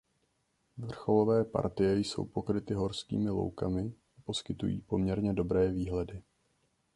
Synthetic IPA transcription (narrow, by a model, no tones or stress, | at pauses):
vr̩xo̞lo̞vɛːpa̰ɾt̪ɪjɛjso̞̰wpo̞kɾɪt̪ɪɦo̞ɾskḭːmɪlo̞̰wkamɪ | apo̞skɪt̪ṵjḭːpo̞mɲɛɾɲɛdo̞bɾɛːviːɦlɛdɪ